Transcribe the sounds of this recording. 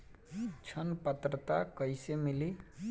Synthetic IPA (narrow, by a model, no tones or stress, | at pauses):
t͡ʃʰənpət̪ɾət̪akəjsemili